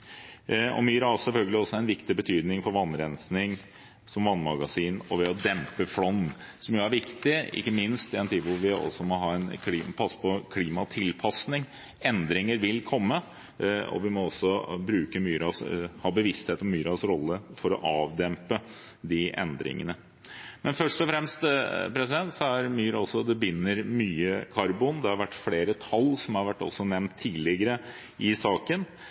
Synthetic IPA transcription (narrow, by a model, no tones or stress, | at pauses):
ɔ̰myːɾɑsɛlfœlɡəlɪɔsːɔæɾɛnʋɪkt̪ɪbət̪ʰyːd̪nɪŋfɔɾʋɑnːɾɛnsnɪŋ | sɔmʋɑnːmɑɡɑsiːnɔʋɛɔd̪ɛmpəfɽɔnːsɔmjʊæɾʋɪkt̪ɪɪ̰kːəmɪnst̪ɪɛnt̪ʰiːd̪ʋʊɾʋɪɔ̰sːɔmɔɦɑːɛnkʰlipʰɑsːə̥pʰɔkʰliːmɑt̪ʰɪlpʰɑsnɪŋ | ɛnd̪ɾɪŋəɾʋɪlkʰɔmːə | ɔ̰ʋɪmɔɔsːɔbɾʉːkəmyːɾɑshɑːbəʋɪst̪heːt̪ɔmyːɾɑsɾɔlːəfɔɾɔ̰ʔɑːʋd̪ɛmpə | d̪ɪʔɛ̰nd̪ɾɪ̰ŋə̰nə | mɛnfœʂʈɔfɾɛmst̪pɾɛs̬ɪd̪ɛnt̪sɔæɾmyːɾɑlsɔd̪ɛbʏnːəɾmyːəkʰɑɾbʊnd̪ɛhɑɾʋæʈːfleːɾət̪ʰɑlːsɔmhɑɾʋæʈːɔ̰sːɔnɛmnt̪ʰːiːlɪɡəɾə | ɪsɑːkən